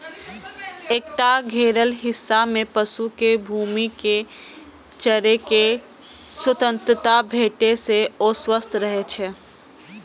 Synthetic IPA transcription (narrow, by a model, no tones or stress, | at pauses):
ek̚ʈaɡʱeɾəlɦɪsːamepəsukebʱumike | t͡ʃəɾeke | swət̪ə̃nt̪ɾət̪abʱeʈeseoswəst̪ʰɾəɦet͡ʃʰɛ